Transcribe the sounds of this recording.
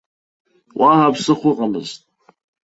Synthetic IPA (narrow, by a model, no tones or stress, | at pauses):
wʔaɦapsɨχʷʊqʼamɨ̰ztʼ